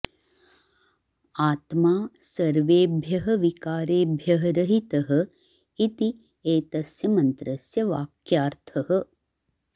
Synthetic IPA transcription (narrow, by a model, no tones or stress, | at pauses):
aːt̪maː | sɐɾʋeːbʱjɐɦɐʋikaːɾeːbʱjɐɦɐɾɐɦit̪ɐɦɐ̆ | it̪i | eːt̪ɐsjɐmɐnt̪ɾɐsjɐʋaːkjaːɾt̪ʰɐɦɐ̆